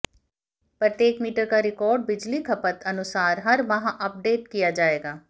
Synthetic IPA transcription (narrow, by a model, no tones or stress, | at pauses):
pɾət̪jeːkmiːʈəɾkaɾɪkɔːɾɖ̚bɪd͡ʒlikʰɐpət̪ɐnʊsaːɾɦɐɾʋɐɦãʔɐp̚ɖeːʈ̚kijad͡ʒaːeːɡaː